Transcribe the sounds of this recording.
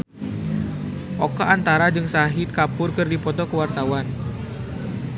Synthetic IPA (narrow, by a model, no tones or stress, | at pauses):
ʔokaʔːnt̪aɾad͡ʒɨŋsaɦit̪̚kapʊrkɨrdipɔt̪ɔkəwart̪awan